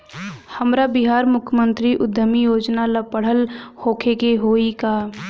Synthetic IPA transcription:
həmɾabɪɦaːɾmʊkʰjəmə̃nt̪ɾiʔʊd̪ʱəmijoːd͡ʒnaləpːəɽ̤əlhoːkʰekeɦoːikaː

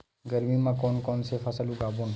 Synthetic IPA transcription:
ɡəɾmiːmãːkoːnkoːnsefʰəsəlũɡaːboːn

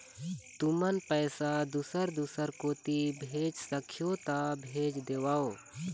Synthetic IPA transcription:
t̪umənpəjsad̪usəɾd̪usəɾkoːt̪ibʱeːd͡ʒsəkʰjot̪abʱeːd͡ʒd̪eːʋaːoː

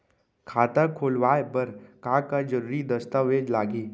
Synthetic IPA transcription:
kʰaːt̪əkʰoːlʋaːebəɾkãːkad͡ʒəɾuːɾid̪ɐst̪aʋeːd͡ʒlaːɡiː

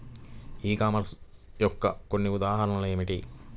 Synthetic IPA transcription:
iːkaːmɐɾs | jɔkːɐko̞nːiud̪aːɦɐɾɐnɐleːmiʈi

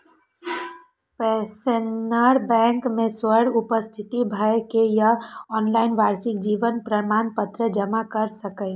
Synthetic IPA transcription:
pɛsənaɾbɛ̃ːŋkmẽswəɽʊpəst̪ʰɪt̪ibʱəekejaɔːnlaːɪnʋaːɾsɪk̚d͡ʒiːʋənpɾəmaːnpət̪ɾəd͡ʒəmakəɾsəkəɪ

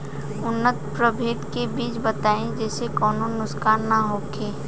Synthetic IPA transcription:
ʊnːət̪pɾəbʱeːʈkebiːt͡ʃbɐt̪aːẽd͡ʒɛːsekɔːnõnʊskaːnːɐɦoːkʰeː

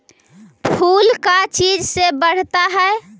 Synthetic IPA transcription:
pʰulkat͡ʃid͡ʒsebəɽ̤t̪aɦəe

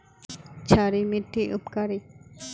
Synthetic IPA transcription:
t͡ɕʰaɾimiʈʰːiʔupkaɾi

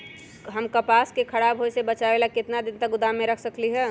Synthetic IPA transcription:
ɦəmkɐpaːskekʰɐɽaːbɦojsebɐt͡ʃaʋelakɪt̪nad̪ɪnt̪əɡʊd̪amːẽɾɐkʰsəkliɦɛː

